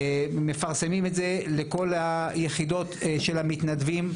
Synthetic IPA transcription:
me̞faʁsemimetzeleko̞lhajeχid̪o̞t̪ʃelhamit̪nad̪vim

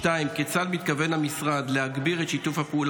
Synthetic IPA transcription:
taimket͡salmit̪kave̞nhamisʁad̪le̞ɦaɡbiʁet̪ʃitufhapeul

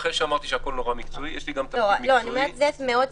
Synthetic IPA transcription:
χeʃeamaʁt̪iʃeako̞lnoʁamikt͡soijeʃliɡamt̪aloloanimeʁt̪vet̪meod̚

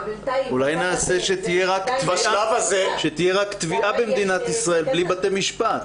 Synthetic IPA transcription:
ulajnaːse̞ʃet̪ijeʁakt̪vaʃalavazeʃet̪ijeʁakt̪viʔabemd̪inat̪isʁae̞lblibat̪emiʃpat̪

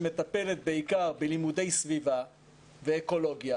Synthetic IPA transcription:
me̞t̪ape̞le̞t̪̚beikaʁbelimude̞jsviva | veːko̞lo̞ɡja

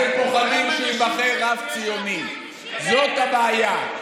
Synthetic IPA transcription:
elkoχanimʃeimaχeʁavt͡sijoni | zot̪habaːja

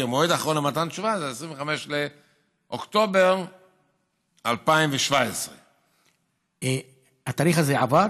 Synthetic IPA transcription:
emoedaχʁonlematant͡ʃʃuvazeesʁiɱveχameʃle | ʔokt̪o̞beʁ | alpaimɱveʃvaesʁe | e | at̪aːliχazeava

